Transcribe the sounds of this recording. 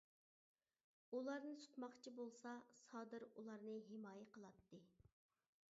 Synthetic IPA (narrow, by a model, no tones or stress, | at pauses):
ulˠɑɾnɨsʰu̥t̪mɑχt͡ʃʰibolˠsɑsɑːd̪ɨɾulˠɑɾnɨɦemɑːjɛqəlˠɑt̪ːɨ